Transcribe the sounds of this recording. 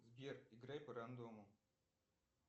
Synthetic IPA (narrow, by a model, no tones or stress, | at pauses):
zbʲeriɡɾajpɐɾand̪omu